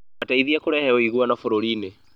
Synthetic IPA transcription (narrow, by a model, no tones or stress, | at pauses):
ataiðiakoɾɛhɛɔiɣuanafoɾoɾiːne